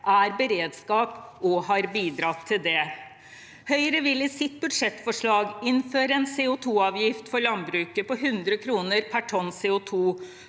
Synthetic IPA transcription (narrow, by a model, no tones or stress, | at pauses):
ʔæɾbəɾeːd̪skɑːpɔhɑɾbiːd̪ɾɑt̪ʰːɪld̪ɛ | hœʏəɾəʋɪlɪsɪt̪̚bʉd̪ʂɛt̪ːfɔʂɭɑːɡɪnːføːɾəɛnsɛʊt̪ʰuːɑːʋjɪft̪fɔɾɭɑnbɾʉːkəpɔɦʉnd̪ɾəkʰɾuːnəɾpʰæʈʰɔnsɛʊt̪ʰuː